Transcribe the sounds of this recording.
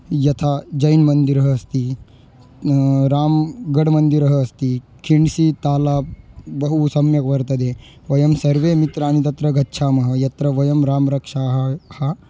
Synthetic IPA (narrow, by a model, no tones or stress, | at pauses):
jɐt̪ʰad͡ʒɐjnmɐnd̪iɾɦɐːst̪i | ɾaːmɡɐɽmɐnd̪iɾɐɦɐːst̪i | kʰiɳɖsit̪aːlaːbɐɦusɐmjɐkʋɐɾt̪ɐd̪eː | ʋɐjɐmsɐɾʋeːmit̪ɾaːnit̪ɐt̪ɾɐɡʱɐtːʃʰaːmɐɦɐ̆jɐt̪ɾɐʋɐjɐmɾaːmɾɐkʂaːɦɐhɐ